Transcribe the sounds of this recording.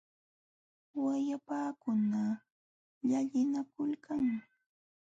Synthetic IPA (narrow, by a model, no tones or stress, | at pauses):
wajapaːkʊna | ʎaʎɪnakʊlkaŋ